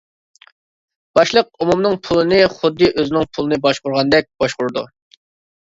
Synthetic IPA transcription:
b̥ɑʃlˠəq̚umumnɨŋpʰulˠɨnɨχʊd̪ːɨʔøzɪnɪŋpʰulˠɨnɨbɑʃqʊɾʁɑnd̪ɛk̚ʲb̥ɑʃqʊɾd̪ṵ

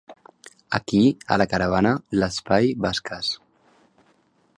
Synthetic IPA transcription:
ə̰kiə̰ləkəɾəβ̞anələspajβaskʰas

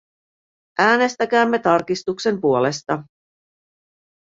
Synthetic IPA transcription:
ʔæːne̞st̪æk̟æːmːe̞t̪ɑrkist̪ukse̞mpuo̞le̞st̪ɑ

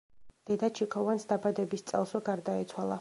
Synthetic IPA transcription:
d̪̥ɛd̪at͡ʃʰikʰɔvansd̪abad̪ɛbist̪sʼɛ̰lˠsvɛɡaɾd̪aɛt̪sʰwalˠa

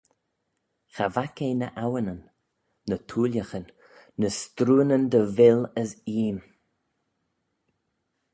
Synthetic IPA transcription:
xavakejnə̰ʔawənənː | ət̪ʰuːlʲjəxənː | əst̪ɾuːənənd̪əvɪləsiːn

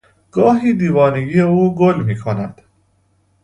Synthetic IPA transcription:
ɡ̥ɒːɦiːd̪iːvɒːneɡiːeuːɡolmiːkʰonæd̪̥

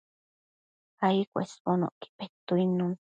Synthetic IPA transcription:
hajkʷḛspono̰ʔki̥pet̪uinũn

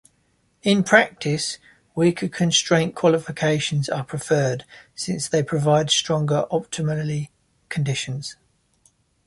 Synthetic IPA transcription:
ɪ̃npʰɹ̥ak̚tʰɪs | wiˑkʰəkʰə̃nstɹ̥ẽɪ̃nkʰw̥ɒlɪfɪkʰeɪʃə̃nzəpʰɹ̥ɪfɜːd̥sɪ̃nsðeɪpʰɹ̥əvaɪdstɹ̥ɒ̃ŋɡəɹʔɒp̚tʰɪməlli | kʰə̃ndɪʃə̃nz̥

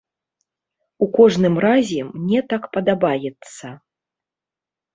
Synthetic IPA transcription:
ukɔʐnɨmrazʲɛmnʲɛt̪akpɐd̪abajɛt̪sɐ

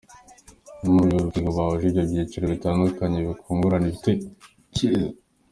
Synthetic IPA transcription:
umujoɾukiɡoβawoʒeɟabjeciɾeβitaːndukaɲeβikʰuːŋɡuɾaniβite | ci

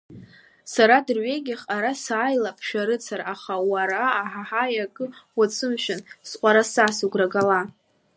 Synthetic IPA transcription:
saɾadɨrɥe̞ɡʲaχʼaɾasaːjlapʰʃᶣaɾɨt͡sʰaɾaχawaɾaːħaħajakʼɨwat͡sʰɨmʃᶣansqʷʼaɾasasuɡʷraɡala

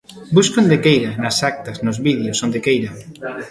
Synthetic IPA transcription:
buskond̪ekejɾanɐsak̚t̪ɐsnozβiðjosõnd̪ekejɾa

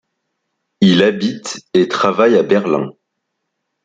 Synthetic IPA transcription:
ilabit̪et̪χavajabɛʁlɛ̰̃

